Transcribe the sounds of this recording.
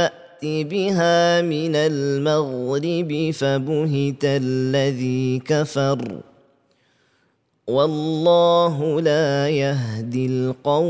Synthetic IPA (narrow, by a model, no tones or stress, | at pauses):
aʔt̪ibɪɦaːmɪnalmaɣɾɪbɪfabʊɦɪt̪alːaðiːkafɑɾˤ | wɑlːɑːɦʊlaːjaɦd̪ɪlqɑw